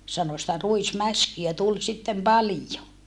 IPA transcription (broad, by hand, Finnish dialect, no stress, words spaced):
sɑno sĭtæ ruismæskiæ tul sitːem pɑlijo